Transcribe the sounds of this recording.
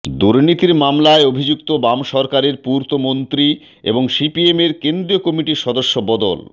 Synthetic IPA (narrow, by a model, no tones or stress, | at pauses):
d̪uɾnit̪iɾmamlaeobʱid͡ʑukt̪obamʃɔɾkaɾeɾpuɾt̪omont̪ɾi | ḛboŋʃipiemeɾkend̪ɾijokɔmiʈiɾʃɔd̪oʃːobɔd̪o̰l